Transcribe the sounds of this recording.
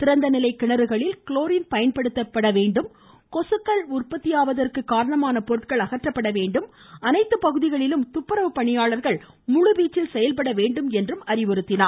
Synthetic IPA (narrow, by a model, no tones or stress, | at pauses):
t̪ɪɾɐnd̪ɐnɪlɐɪkːɪɳɐɾɯɣɐɭɪlkɭoːɾɪnpɐjɐnpɐɽɯt̪ːɐpːɐɽɐʋeːɳɖɯm | kɔsɯkːɐɭʊrpɐt̪ːɪjaːʋɐðɐrkɯkːaːɾɐɳɐmaːnɐpɔɾɯt̪kɐɭɐɣɐʈrɐpːɐɽɐʋeːɳɖɯm | ɐnɐɪt̪ːɯpɐɣɯðɪɣɐɭɪlɯmt̪ʊpːɐɾɐʋɯpɐɳɪjaːɭɐɾɣɐɭ | mʊɻʊbiːt͡ʃːɪlsɛjɐlpɐɽɐʋeːɳɖɯmɛndrɯmɐɾɪʋɔɾɯt̪ːɪnaː